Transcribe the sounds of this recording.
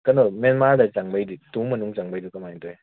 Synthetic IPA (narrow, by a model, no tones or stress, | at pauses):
kɐnɔmenmaɾdɐt͡ʃaŋbajdituŋmɐnuŋt͡ʃaŋbajdukɐmajŋtɔj